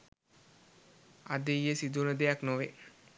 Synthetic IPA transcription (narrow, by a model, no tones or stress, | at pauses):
a̰d̪ejːesid̪unəd̪ejaknoʋe